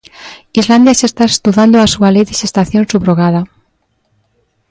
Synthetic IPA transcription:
izland̪jasest̪aest̪uðand̪oasualejðeʃest̪aθjonsuβɾoɣ̞aða

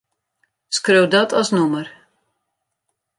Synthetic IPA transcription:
skrøwdɔtʰɔsnumər

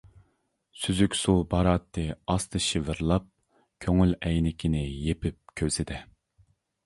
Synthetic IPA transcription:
syzykʲsubɑɾɑːt̪ʰːɨɑst̪ʰɨʃivɨɾlˠɑp̚ | kʲʰøŋylɛjnɪkʲʰinɪjepɪp̚kʲʰøzɪd̪ɪ

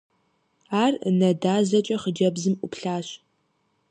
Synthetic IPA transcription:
aːrnɐdaːzɐt͡ʃʼɐχəd͡ʒɐbzɨmʔʷʊpɬaːɕ

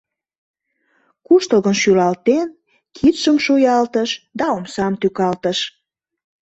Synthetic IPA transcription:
kuʃt̪əlɣənʃylɑlt̪en | kʰit̪ʃəmʃojɑlt̪əʃd̪ɑomsɑmt̪ykɑlt̪əʃ

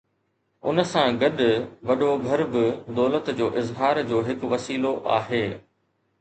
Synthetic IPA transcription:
ʊnə̆sãɡɐɗʋɐɗoɡʱɐɾbɪd̪ɔːlət̪d͡ʑoːʔɪzɦaːɾd͡ʑoːɦɪkʋɐsiːloʔa̰ːɦeː

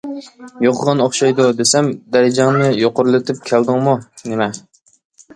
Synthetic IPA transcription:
joqʰəʁɑnoχʃɑjd̪ud̪esɛmd̪æɾɪd͡ʒɛŋnɪjoqʊɾlˠɨt̪ʰɪp̚kʲʰæld̪ɨŋmunemɛ

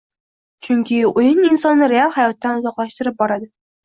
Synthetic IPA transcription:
t͡ʃʰʊŋkʲʰɪʊjɪninsɒnːɨɾealˠhajɒt̪ːanʊzɒqlˠaʃt̪ɪɾɪp̚bɒɾad̪ɪ

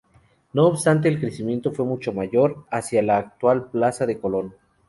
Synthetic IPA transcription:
no̞ːβst̪ant̪̬e̞ːlkɾesimje̞nt̪o̞fwe̞mut͡ʃo̞maʝo̞ɾasjalaːk̚t̪walplasaðe̞ko̞lo̞n

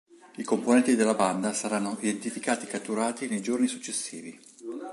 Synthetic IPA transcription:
ikomponɛnt̪id̪elːaband̪asaɾanːoʔid̪ent̪ifikaːt̪ikat̪ːuɾaːt̪inejd͡ʒornisu̥t͡ʃːesːiːvi

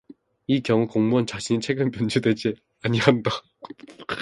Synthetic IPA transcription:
ikjʌŋukoŋmuant͡ɕaɕʰiɲit͡ɕʰe̞ɡɯmpjʌnd͡ʑudwe̞d͡ʑi | aɲiɦanda

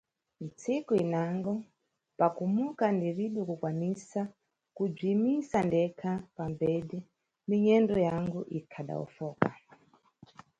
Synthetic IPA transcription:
mit͡sikoinaŋɡo | pakumukandiriɗokukwanisa | kub͡ʐimisandekʰapambeɗe | miɲendojaŋɡuʔikʰaɗa̰ṵfoːka̰

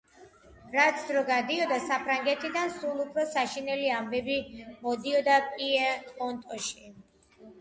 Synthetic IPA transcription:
ɾat̪sʰd̪ɾɔɡad̪iɔd̪asapʰɾaŋɡɛt̪ʰid̪ansulˠupʰɾɔsaʃinɛliambɛbimɔd̪iɔd̪apʼiɛɔnt̪ʼɔʃi

